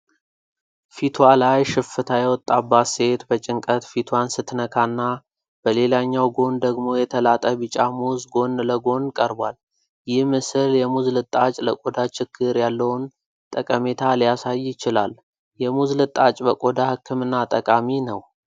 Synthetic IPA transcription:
fit̪ʰwalajʃɨfɨt̪ʰajɛwɔt̪ʼːabase̞t̪bət͡ʃʼɪŋkʼət̪fit̪ʰwansɨt̪nəkʰanːa | b̥əle̞laɲːawɡo̞nd̪əɡmo̞jɛt̪ʰəlat̪ʼəbɨt͡ʃʼamuzɡo̞nləɡo̞nkʼəɾbwal | jɪhmɨsɨljɛmuzlɨt̪ʼːat͡ʃʼləkʼod̪at͡ʃɪɡʰːɨɾjalːəwʊn | t̪ʼəkʼəme̞t̪ʰalijasajːɪt͡ʃɪla̰l | jɛmuzlɨt̪ʼat͡ʃʼbəkʼod̪ahɨkːɨmɨnːat̪ʼəkʼaminəw

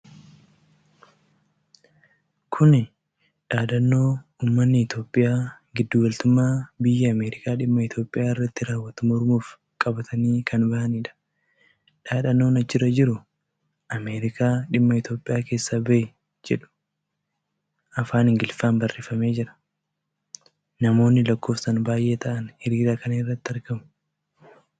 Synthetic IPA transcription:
kʰʊnɪ | ᶑaːᶑɐnːo̞ːuːmːɐnːɪɪt̪o̞ːpʼːɪjaː | ɡɪd̪ːuːwɐlt̪ʊmːaːbɪjːɛɐme̞ːɾɪkaːᶑɪmːɐɪt̪jo̞ːpʼːɪjaːɪrːɐt̪ːɪɾaːwːɐt̪ʊmɔɾmuːf | kʼɐbɐt̪ɐniːkʰɐnbɐhɐniːᶑɐ̥ | ᶑaːᶑɐnːo̞ːnɐt͡ʃːɪɾɐd͡ʒɪɾʊ | ʔɐme̞ːɾɪkʰaːᶑɪmːɐɪt̪jo̞ːpʼɪjaːke̞ːsːabɐ | d͡ʒɛᶑʊ̥ | ʔɐfaːnɪŋɡɪlfaːnbɐrːeːfɐme̞ːd͡ʒɪɾɐ̥ | nɐmo̞ːnːɪlɐkːo̞ːfsɐnbaːjʔe̞ːt̪ʰɐʔɐnhɪɾiːɾaːkɐnɪrːɐt̪ːɪɐɾkɐmʊ̥

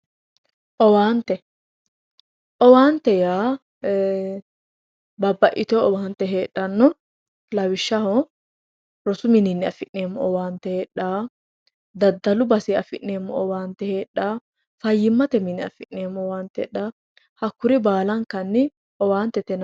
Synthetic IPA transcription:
ʔɔwaːnt̪ɛ | ʔɔwaːnt̪ɛjaː | bɐbːɐʔɪt̪oɔwaːnt̪ɛɦeːɗːɐnːɔ | lɐwɪʃːɐhɔ | ɾɔsʊmɪnɪnːɪɐfɪʔneːmːɔɔwaːnt̪ɛheːᶑːaː | d̪ɐd̪ːɐlʊbɐsiɐfɪʔneːmːɔɔwaːnt̪ɛheːᶑːaː | fɐjːɪmːɐt̪ɛmɪnːɪɐ̰fɪʔneːmːɔɔwaːnt̪ɛ̰ᶑːaː | hɐkːʊɾɪbaːlɐŋkɐnːɪ | ʔɔwaːnt̪ɛt̪ɛn

